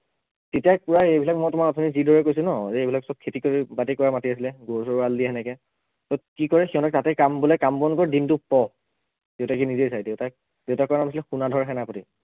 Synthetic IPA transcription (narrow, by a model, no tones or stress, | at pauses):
tetiak̚puɹajejbʱilak̚mɔjtʊmaɹɔtʰɔnizidɔɹɛkojsʊnɔzɛejbʱilaksɔb̚kʰːetikoɹibatikɔɹamatiasilɛɡoɹsɔɹɹaldiɛɦɛnɛkɛ | sɔkikɔɹɛxiɦɔnɔk̚tatɛkambulɛkambɔnkɔɹdintʊpɔ | d̥eʊtakinizejsajdeʊta | d̥eʊtakɔɹanamas̬ilɛxunadʱɔɹaxɛnaapɔti